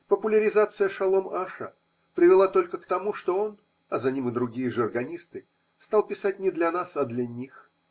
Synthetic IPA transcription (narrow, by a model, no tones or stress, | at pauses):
pəpʊlʲəɾʲɪzat̪sɨjəʂɐlˠo̞maʂə̰ | pɾʲɪvʲɪlˠat̪o̞lʲkəkt̪ɐmuʂt̪o̞on | ɐzɐnʲimɨd̪ɾʊɡʲijəʐɨrɡɐnʲist̪ɨ | st̪alˠpʲɪsatʲnʲɪd̪lʲɐnasɐd̪lʲɐnʲix